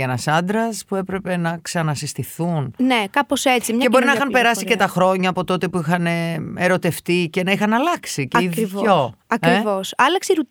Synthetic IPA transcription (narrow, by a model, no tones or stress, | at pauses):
enɐsɐnd̪ɾɐspue̞pɾe̞pe̞nɐksɐnɐsist̪iθunnekɐposet͡simɲɐe̞boɾinɐixɐmpe̞ɾɐsice̞t̪ɐxɾo̞ɲɐːpo̞t̪o̞t̪e̞puixɐneeɾo̞t̪e̞ft̪ice̞nɐixɐnɐlɐksiceivoɐkɾivosɐlɐksiɾu